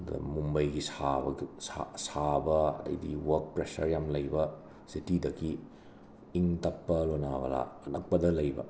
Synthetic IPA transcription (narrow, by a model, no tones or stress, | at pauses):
dɐ̰mumbɐjɡisabɐiasabɐɐ̰dɐ̰jdiwɐɾk̚pɾesɐɾjamlɐjbɐ | sitidɐkʰi | iŋtɐpːɐlonabɐ̰la̰nɐk̚pɐdɐlɐjbɐ̰